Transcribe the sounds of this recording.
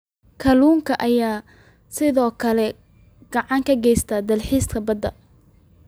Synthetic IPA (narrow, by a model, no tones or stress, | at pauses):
kʰɐluːŋkʰɐʔɐjaː | sɪðɔːkʰɐlɛ | ɡ̥ɐʕɑŋkʰɐɡɛjst̪ʰaːd̪ɐlħiːskʰɐbɐd̪ɐ̰